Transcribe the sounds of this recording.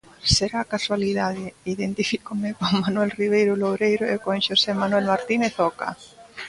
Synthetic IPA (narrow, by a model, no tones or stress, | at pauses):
seɾakaswaliðaðeiðent̪ifikomekoŋmanwelriβ̞ejɾʊlowɾejɾoekoŋʃosemanwelmaɾt̪ineθoka̰